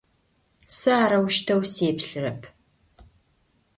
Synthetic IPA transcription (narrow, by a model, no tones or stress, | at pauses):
sɨaːɾɐwʃtʰɐwseːpɬɨrɐpʰ